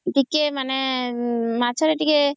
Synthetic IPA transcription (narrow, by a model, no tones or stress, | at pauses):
ʈikemane | mat͡ʃʰɔɾeʈike